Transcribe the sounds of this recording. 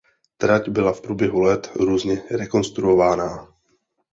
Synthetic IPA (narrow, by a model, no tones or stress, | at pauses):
t̪ɾacbɪlafpɾuːbjɛɦulɛt̪ɾuːzɲɛɾɛko̞nst̪ɾuovaːnaː